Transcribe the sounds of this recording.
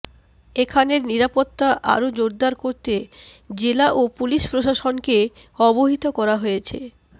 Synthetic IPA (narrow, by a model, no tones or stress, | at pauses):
ekʰaneɾniɾapot̪ːaʔa̰ɾod͡ʑoɾd̪aɾkoɾt̪ed͡ʑelaʔopuliʃpɾoʃaʃonke | ɔboɦit̪okɔɾaɦojet͡ɕʰḛ